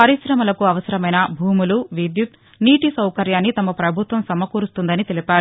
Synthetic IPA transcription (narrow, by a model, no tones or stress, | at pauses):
pɐɾiʃɾɐmɐlɐkuɐʋɐsɐɾɐmɐjnɐbʱuːmuluʋid̪jut̪ | niːʈisɐwkɐɾjaːnːit̪ɐmɐpɾɐbʱut̪ʋɐmsɐmɐkuːɾust̪und̪ɐnit̪e̞lipaːɾu